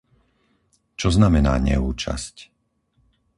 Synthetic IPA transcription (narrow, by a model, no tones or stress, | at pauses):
t͡ʃɔznamɛna̰ːɲɛ̰uːt͡ʃa̰sc